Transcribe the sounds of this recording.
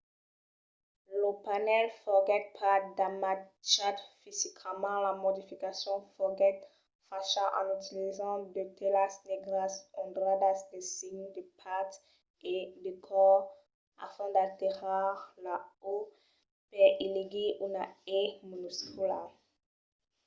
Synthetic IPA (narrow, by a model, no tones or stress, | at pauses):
lopanɛlfɔɡɛt̪̚pʰad̪amat͡ʃat̪fizikʰmɑ̃lamɔd̪ifikasjɔ̃fɔɡɛt̪ | faʃãʔɑ̰̃nyt̪ilizɑ̃d̪ət̪ʰelasd̪eɡʁasɔd̪ʁad̪asd̪esiɲd̪əpʰat̪ | ed̪ekʰɔʁ | a̰fɛ̃d̪at̪iʁaʁlao | pɛiliɡiʔunaemonuskula̰